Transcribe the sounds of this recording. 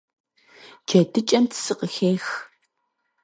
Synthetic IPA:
d͡ʒɐdɨt͡ʃʼɐmtʰɨ̥sɨqəxeːx

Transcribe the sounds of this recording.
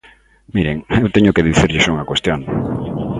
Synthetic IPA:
miɾeŋewt̪eɲʊkeðiθiɾʎɪʃouŋɐkwest̪joŋ

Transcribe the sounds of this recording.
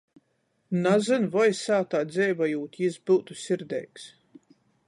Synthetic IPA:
nazɨnvɔjsaːt̪aːd̪zɛjvajuːt̪ʲjizbɨwt̪usʲiɾd̪ɛ̰jks

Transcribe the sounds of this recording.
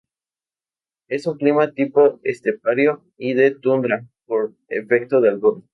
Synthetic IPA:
e̞suŋklimat̪ipoest̪ep̚aɾjo | iðe̞t̪und̪ɾapoɾ | ḛfe̞k̚t̪oðealβun

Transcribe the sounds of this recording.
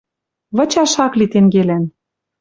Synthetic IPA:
βɤ̆t͡ɕɑʃɑklit̪eŋɡelæn

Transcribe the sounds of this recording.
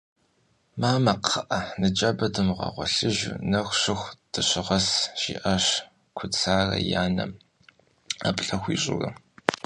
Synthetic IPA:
maːmɐqʰəʔɐnɨt͡ʃʼɐbɐdɨmʁɑ̰ːʁʷɔɬɨʒnɐxʷɕɨxʷd̥ɨɕɪʁɐsʒiːʔɐɕ | kʷʰʊt͡sʰaːrɐ̰jaːnɐm | a̰ːpɬʼɐxʷiːɕʼʊrɐ

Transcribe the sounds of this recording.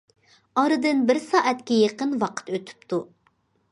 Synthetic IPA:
ɑɾɨd̪ɨnbɪɾsɑːʔɛt̪kʲɛjeqənwɑqʰə̥t̪øt̪ʰy̥p̚t̪ʰu

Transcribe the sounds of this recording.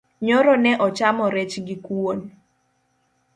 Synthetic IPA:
ɲoɾɔnɛʔɔt͡ʃamɔɾet͡ʃɡikwon

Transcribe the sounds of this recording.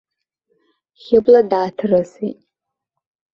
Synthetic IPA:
χʲɪbladaːtʰɨrɨsḭtʼ

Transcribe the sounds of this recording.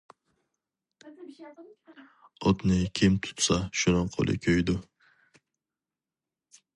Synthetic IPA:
ɔt̪nɪkʲʰɪmt̪ʰʊ̥t̪saʃʊnɪqʰo̰lˠʔɪ̰kʲʰøjd̪ʊ

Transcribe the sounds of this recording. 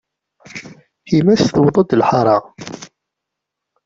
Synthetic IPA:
himæsθwðˤɑd̪lħɑɾˤɑ

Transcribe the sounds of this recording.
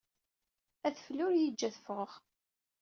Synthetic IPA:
æθflʊɾjid͡ʒːæθfəʁʁ

